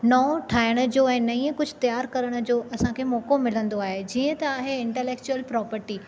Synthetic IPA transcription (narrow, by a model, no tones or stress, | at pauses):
nɔːʈʰaːɪɽ̃ə̆d͡ʑoːɛ̃ːnɐĩːə̃kʊd͡ʑʱʊt̪jaːɾkɐɾəɽ̃ə̆d͡ʑoːʔɐsãkʰeːmɔːkomɪlə̃nd̪oaːɦed͡ʑiːə̃t̪ɐaːɦeɪ̃ɳʈɛleːk̚t͡ɕuəlpɾɔːpəɾʈiː